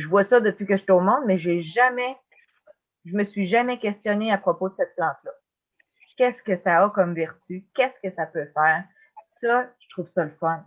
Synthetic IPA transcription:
ʒəvwasʌd̪əpɥikəʒə̥t̪ɛomɔ̃d̪mɛʒeʒamɛ | ʒəməsɥiʒamɛkʲɛst̪jɔneapχɔpod̪əsɛt̪̚plɑ̃ːt̪lʌ | kʲɛskəsaɔkɔmvɛʁt̪ykʲɛskəsapøfɛːʁ | sʌʒə̥t̪χuːv̥sʌləfɔn

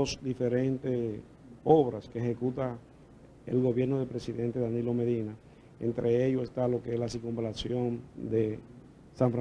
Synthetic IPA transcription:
osd̪ife̞ɾe̞nt̪e | oβɾaskeːhekut̪a | ḛlɣo̞βje̞ɾnoðelpɾesiðe̞nt̪eðanilo̞me̞ðina | ḛnt̪ɾʔe̞eʝosest̪alo̞keeslasikumbelasjo̞nd̪e | saɱfɾa

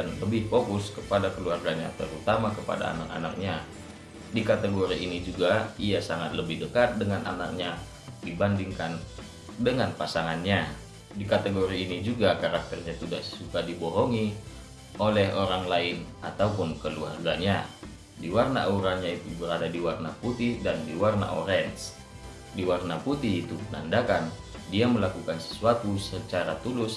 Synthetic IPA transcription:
anləbɪhfokʊskəpadakəluarɡaɲa̰t̪əɾut̪amakəpa̰da̰ːnaka̰na̰k̚ɲa | dikat̪əɡoɾiʔinid͡ʒuɡaiasaŋat̪̚ləbɪhdəkat̪̚dəŋana̰nak̚ɲa | dibandiŋkan | dəŋanpasaŋanɲa | dikat̪əɡoɾiːnid͡ʒuɡakaɾak̚t̪ərɲat̪idahsukadiboɦɔŋi | olɛɦoɾaŋlaɪn | at̪aupʊnkəlua̰rɡaɲa | diwarna̰ʔuɾanɲait̪ubəɾadadiwarnaput̪ɪhdandiwarna̰ʔoɾɛns | diwarnaput̪ɪhit̪upəna̰ndakandiaməlakukansə̥suat̪usət͡ʃaɾat̪ulʊs

